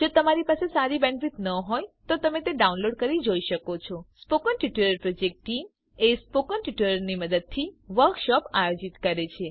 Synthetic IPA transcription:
d͡ʒot̪əmaɾipasesaɾibɛnfit̪nəɦojt̪ot̪əmet̪eɖaunloɖkəɾid͡ʒoiʃəkot͡ʃʰɔspokənʈiʈuɾəɾpɾod͡ʒek̚ʈʈim | espokənʈiʈuləɾniməd̪əd̪̚t̪ʰiʋəɾkʃɔpajod͡ʒit̪kəɾet͡ʃʰe

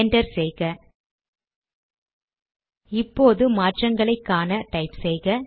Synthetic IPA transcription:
ɳɖɐɾsɛjɣɐ | ɪpːoːðɯmaːʈrɐŋɡɐɭɐɪkːaːnɐʈɐɪpsɛjɣɐ

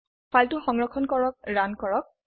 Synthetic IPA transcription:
fʰaltʊxɔŋɹɔkʰɔnkɔɹɔk̚ɹankɔɹɔk̚

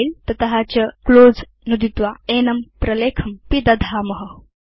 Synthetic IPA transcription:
ilt̪ɐt̪ɐɦat͡ɕɐkloːd͡z | nud̪it̪ʋaenɐmpɾɐleːkʰɐmpid̪ɐd̪ʱamɐɦə

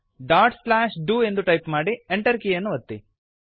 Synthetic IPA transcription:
ɖaːɾʈslaːʃɖuːe̞nd̪uʈɐjpmaːɽieɳʈɐɾkijɐnːuʋɐt̪ːi

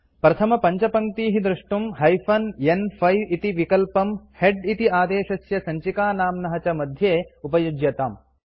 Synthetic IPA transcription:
pɾɐt̪ʰɐmɐpɐɲt͡ʃɐpɐŋt̪iːɦid̪ɾuʂʈumɦɐjfʰɐnenpʰɐjʋit̪iʋikɐlpɐmheɖit̪iaːd̪eːʃɐsjɐsɐɲt͡ʃikaːnaːmnɐɦɐt͡ʃɐmɐd̪ʱjeːupɐjud͡ʒjɐt̪aːm

